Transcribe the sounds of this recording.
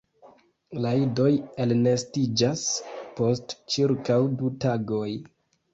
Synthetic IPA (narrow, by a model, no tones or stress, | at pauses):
laido̞jelnestid͡ʒaspo̞stt͡ʃiɾkawdutaɡo̞j